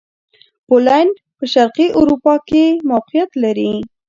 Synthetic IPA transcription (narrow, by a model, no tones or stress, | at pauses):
polanɳɖ | pəʃaɾqiʔʊɾupɑkemawqijat̪laɾi